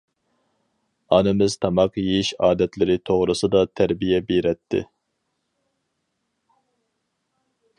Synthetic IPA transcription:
ɑnɨmɪzt̪ʰɑmɑqjejiʃɑːd̪ɛt̪lɪɾɪt̪ʰoʁɾɨsɨd̪ɑt̪ʰæɾbijɛbeɾɛt̪ʰːɪ̰

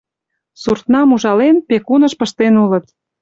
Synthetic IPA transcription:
surt̪nɑmuʒɑlenpekunəʃpəʃt̪enulət̪

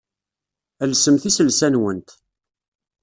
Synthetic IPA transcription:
ælsəmθisəlsænwənt̪

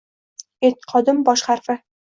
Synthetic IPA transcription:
et̪̚qʰɒd̪ɪmbɒʃχaɾfɪ

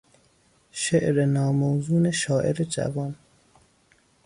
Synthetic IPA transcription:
ʃeʔɾenɒːmowzuːneʃɒːʔeɾed͡ʒæ̰vɒːn

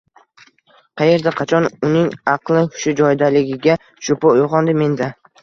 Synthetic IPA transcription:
qʰɑje̞ɾd̪aqʰɑt͡ʃʰɒnʊnɪŋɑqlˠɪʊʃʊd͡ʒɒjd̪alɪɡʲɪɡʲa | ʃʊpoʊʁɒnd̪ɪme̞nd̪a

